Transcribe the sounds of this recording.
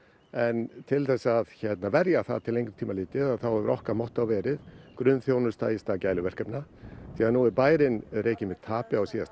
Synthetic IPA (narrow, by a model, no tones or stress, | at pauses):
ɛnt̪ʰɪlθɛsːaðçɛt̪navɛɾjaθa̰ðt̪ʰɪlejŋkɾʏ̥t̪ʰiːmalɪːt̪ɪðaðθawɛvɾʔɔhkaɾmɔht̪awvɛːɾɪðkɾʏnθjownʏ̥st̪a̰ːjɪst̪acaːjlʏvɛr̥kœpnaθiːaðnuɛɾpaːjɾɪnɾʔeːjcɪmɪðt̪ʰaːpɪaɔsiːa̰